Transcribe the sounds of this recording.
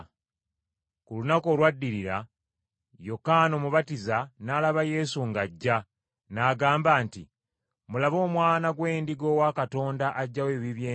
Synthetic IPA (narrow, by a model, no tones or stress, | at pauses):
kulunako̞ːlwadːiɾiɾa | jo̞kano̞muβatizanaːlaβaje̞suŋɡaɟːa | naːɡaːmbaːntḭ | mulaβo̞ːmwaːnaɡwe̞ːndiɡo̞ːwakato̞ːndaʔaɟːaweːβiβjeː